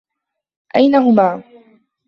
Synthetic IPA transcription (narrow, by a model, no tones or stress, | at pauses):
ʔajnaɦʊmaː